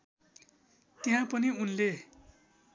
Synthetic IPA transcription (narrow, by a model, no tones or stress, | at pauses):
t̪eɦãpʌniunle